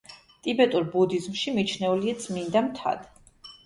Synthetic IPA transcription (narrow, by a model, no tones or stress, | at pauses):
t̪ʼibɛt̪ʼuɾbud̪izmʃimit͡ʃʰnɛuliat̪sʼmind̪amt̪ʰa̰d̪̥